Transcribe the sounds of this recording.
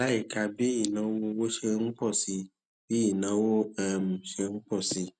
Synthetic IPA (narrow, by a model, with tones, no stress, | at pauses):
la˦i˦˨ka˧bi˦i˦˨nã˨˦wo˦wo˦ʃe˧˦ŋ̩˦k͡pɔ˦˨si˨˧ | bi˦i˦˨nã˨˦wo˦a˦˨m˨ʃe˧ŋ̩˦k͡pɔ˦˨si˨˧